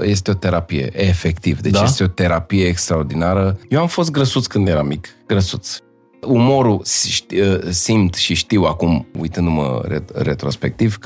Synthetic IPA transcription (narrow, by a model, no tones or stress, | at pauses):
je̞s̬t̪eo̞t̪e̞ɾapije̞̰ʔefe̞kt̪ivd̪e̞d̪t͡ʃjest̪eo̞t̪e̞ɾapije̞ːkst̪ɾao̞rd̪inaɾəjewamfo̞s̬t̪̚ɡɾəsut̪skɨnd̪je̞ɾamikɡ̥ɾəsut̪s | umo̞ɾusʃəsimt̪ʃiʃt̪iwakumṵjt̪ɨnd̪umə̰ɾeret̪ɾo̞spe̞k̚t̪iv